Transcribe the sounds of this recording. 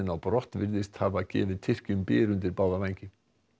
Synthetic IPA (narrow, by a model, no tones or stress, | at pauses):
ɪnawpɾɔht̪vɪɾðɪst̪havacɛ̰ːvɪðt̪ʰɪr̥cʏmpɪːɾʏnt̪̬ɪɾpaːwðavajɲcɪ